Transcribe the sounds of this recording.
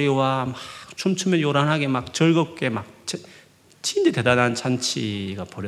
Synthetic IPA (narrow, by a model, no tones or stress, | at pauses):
ɾiwamat͡ɕʰomt͡ɕʰɯmʌnjoɾanɦaɡemak̚t͡ɕʌɭɡʌp̚k͈e̞mak̚t͡ɕe | t͡ɕʰindete̞danant͡ɕant͡ɕʰiɡapʌɾjʌ